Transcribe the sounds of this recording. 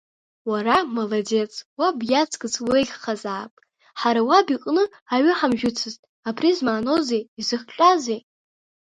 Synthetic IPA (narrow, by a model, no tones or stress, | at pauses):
waramalade̞t͡sʰʼwabjat͡sʰʼkʼɨt͡sʰʼweɮʲχazaːpʼ | ħaɾawabiqʼnɨ | aɥʏħamʒᶣʊt͡sʰɨztʼ | apʰrizmaːno̞zejizɨχt͡ʃʼazej